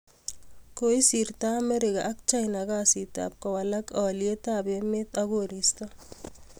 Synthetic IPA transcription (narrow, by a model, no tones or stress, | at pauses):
koisiɾtaːmeɾɪka̰ʔːk̚t͡ʃajnakasita̰p̚kɔwalakɔljetabemet̪aɡoɾistɔ